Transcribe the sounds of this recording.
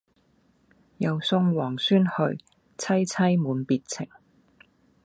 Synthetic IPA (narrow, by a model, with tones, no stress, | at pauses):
jɐ˨wsʊ˧ŋwɔː˨˩ŋsyː˥nhɵ˧ɥ | t͡sʰɐ˥jt͡sʰɐ˥jmuː˨˥npiː˨˧t̚t͡sʰɪ̰˨˩ŋ